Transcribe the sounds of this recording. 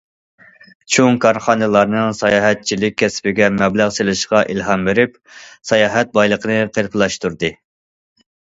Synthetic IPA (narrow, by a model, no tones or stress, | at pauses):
t͡ʃʰoŋkʰɑɾχɑnɨlˠɑɾnɨŋsɑjɑːɦɛt̪̚t͡ʃʰilɪk̚ʲʰːɛspɪɡʲɛmɛblæʁselɨʃqɑʔilɦɑmbeɾɪp | sɑjɑːɦɛt̪̚bɑjlˠəqənɨqʰeɾpʰlˠɑʃt̪uɾd̪ɨ